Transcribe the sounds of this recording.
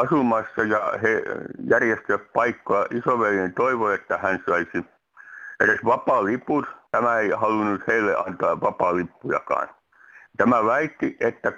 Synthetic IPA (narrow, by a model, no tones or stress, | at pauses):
ɑsumɑsːɑjɑhejærjest̪yppɑikːojɑʔisoʋelient̪oiʋoet̪ːæhænsɑisi | eresʋɑpɑˑliput̪t̪æmæeihɑlunut̪heilːḛʔɑ̰nt̪ɑːʋɑpɑˑlipːujɑ̰kɑ̰ːn | t̪æmæʋæit̪ːiʔet̪ːæ